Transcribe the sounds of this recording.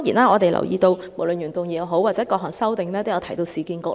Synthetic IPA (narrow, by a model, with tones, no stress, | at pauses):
jiː˨˩naː˧˥ɔː˨˧t̪e˨jlɐ̰˨˩wjiː˧t̪o˧wmo˨˩wlə˨nɥyː˨˩nt̪ʊ˨ŋjiː˨˧˩jɐ˨˧wɦo˨˥waː˨˩t͡sɛː˨˥kɔː˧kɦɔː˨˩ŋsɐ˥wt̪ɪ˨ŋlɛː˥t̪o˥˩jɐ˨˧wt̪ʰjt̪o˧wsiː˨˧kiː˧nko˧˥